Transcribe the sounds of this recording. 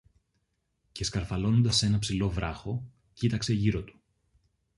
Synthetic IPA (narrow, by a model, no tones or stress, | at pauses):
ceskɐɾfɐlo̞nond̪ɐsːe̞nɐpsilo̞vɾɐxo̞ | cit̪ɐkse̞ʝiɾo̞t̪u̥